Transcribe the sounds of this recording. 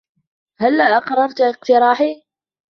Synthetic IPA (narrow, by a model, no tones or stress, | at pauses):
halːaʔɑqɾˤɑɾˤt̪ɪq̚t̪ɪɾˤɑːħi